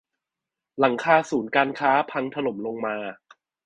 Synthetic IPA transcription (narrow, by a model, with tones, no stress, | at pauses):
la˩˦ŋkʰaː˧suː˩˦nkaː˧nkʰaː˦˥pʰa˧ŋt̪ʰa˧no˨˩˦mlo˧ŋmaː˧